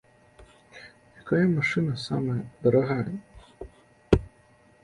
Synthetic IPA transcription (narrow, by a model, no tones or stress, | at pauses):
jɐkɔjɐmɐʃɪnɐsɑ̰mɛd̪ɔɾɐɦɑjɛ